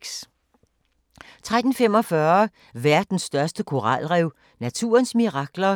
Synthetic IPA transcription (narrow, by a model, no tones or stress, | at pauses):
s | t͡sʰʁad̥n̩fem̰ɒ̽fɶɐ | ʋæɐd̥n̩sːd̥ɶɐsd̥əkʰo̝ʁɑlʁɛʊ | næt͡sʰṵːɐnsmiʁɑ̈ɡ̥lɐ